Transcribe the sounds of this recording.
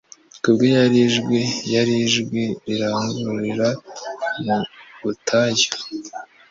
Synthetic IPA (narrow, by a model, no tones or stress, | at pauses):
kubɡojaɾiʒɡwejaɾiʒɡweɾiɾaŋɡuɾiɾamuβutʰaɟa